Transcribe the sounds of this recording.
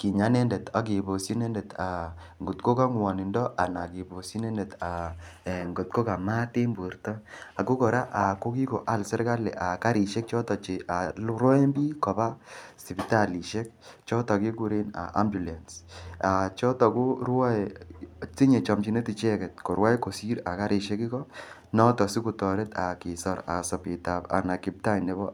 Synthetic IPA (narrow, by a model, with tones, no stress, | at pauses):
ki˨ɲa˨˦ne˦ndɛ˨ta˨k̬i˨bo˨si˦ne˦ndɛ˨tʰa˨ | ŋɡu˨tko˦ka˦ŋwɔ˨ni˨ndɔ˦ʔa˨na˨ki˨bo˨si˦nɛ˦ndɛ˨ta˨ | ŋɡo˨t̚ko˦ka˨ma˦te˦mbu˨ɾtɔ˦a˨ko˦kɔ˨ɾa˦ʔa˨ko˦ki˦ko˨ʔa˦˨lsɛ˦ɾɡa˦lɛ̰˨ʔa˨ka˦ɾi˨ʃɛ˦k̚t͡ʃɔ˦tɔ˨t͡ʃe˨a˨lɾɔ˦e˦mbi˦kɔ˨ba˦si˨bi˨ta˦˨li˨ʃe˦k̚t͡ʃɔ˦ta˨ki˦ku˦ɾe˦na̰˨ʔa̰˦mbju˨lɛ˨nsa˨t͡ʃɔ˦tɔ˨ku˦ɾwa˦e˨si˦ɲe˨t͡ʃɔ˨mt͡ʃi˨ne˦ti˨t͡ʃɛ˦kɛ˨t̚ko˨ɾwa˦jko˨si˦ɾa˨ka˦ɾi˨ʃe˦ki˦kɔ˦ | nɔ˦tɔ˨si˦ku˨tɔ˨ɾe˦ta˨ki˨sɔ˨ɾa̰˨sɔ˨pi˨ta˨pa̰˨na˨kɪ˨p̚ta˦jne˨˦bɔ˦